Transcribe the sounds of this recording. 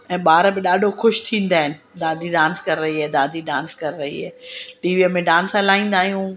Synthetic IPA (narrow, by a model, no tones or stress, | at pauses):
ɛ̃ːɓaːɾbɪɗaːɖʱoxʊʃt̪ʰĩːn̆d̪aːɦɪnɪ̆d̪aːd̪ʱiɖãːnskɐɾɪɾɐɦiɛːd̪aːd̪ʱiɖãːnskɐɾɪɾɐɦḭɦɛ̰ːʈiːʋiːəmẽɖãːnsɛlaːĩːn̆d̪aːɦijũː